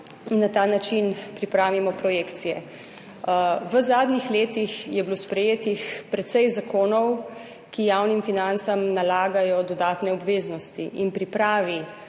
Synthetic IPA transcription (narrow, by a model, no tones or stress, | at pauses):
inːat̪aːnat͡ʃinpɾipɾaːʋimɔpɾɔjeːkt̪sijɛ̰ | ʋəzaːd̪nixleːt̪ixjɛbilospɾɛjeːt̪ixpɾɛt̪sɛjzakoːnɔw | kijaːwnimfinant̪samnalaːɡajɔd̪ɔd̪aːt̪nɛɔbʋeːznɔst̪ḭʔinpɾipɾaːʋi